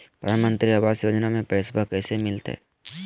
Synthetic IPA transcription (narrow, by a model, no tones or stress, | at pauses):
pɾə̰d̪ʱaːnmə̃nt̪ɾiaʋaːsjoːd͡ʒnamẽpɛːsbakɛːsemɪlt̪ɦɛ̰ː